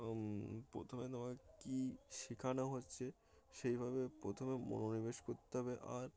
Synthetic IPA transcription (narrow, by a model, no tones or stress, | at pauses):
pɾo̰t̪ʰomet̪omakekiʃikʰanoɦotːɕʰe | ʃejbʱabepɾot̪ʰomemo̰nonibeʃkoɾt̪eɦɔbeʔaɾ